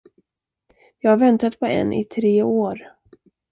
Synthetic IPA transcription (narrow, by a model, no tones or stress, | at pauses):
jɑːɡhaɾvɛnt̪at̪pʰɔɛ̰nʔɪ̰t̪ʰɾeːoːɾ